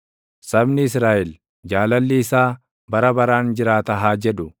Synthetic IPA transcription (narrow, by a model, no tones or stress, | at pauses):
sɐbnɪɪsɾaːʔɛl | d͡ʒaːlɐlːiːsaː | bɐɾɐbɐɾaːnd͡ʒɪɾaːt̪ɐɦaːd͡ʒɛᶑʊ